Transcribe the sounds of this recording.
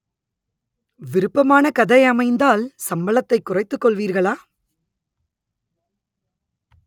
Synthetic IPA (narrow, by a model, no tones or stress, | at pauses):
ʋɪɾɯpːɐmaːnɐkɐðɐɪɐmɐɪnd̪aːlsɐmbɐɭɐt̪ːɐɪkːʊrɐɪt̪ːɯkːɔɭʋiːɾɣɐɭaː